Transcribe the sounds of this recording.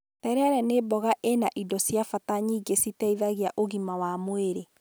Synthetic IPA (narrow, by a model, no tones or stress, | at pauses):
tɛɾɛaɾɛnebɔɣaʔenaʔidɔsjafataɲiːɡesitɛiðaɣiaʔoɣimawamweɾe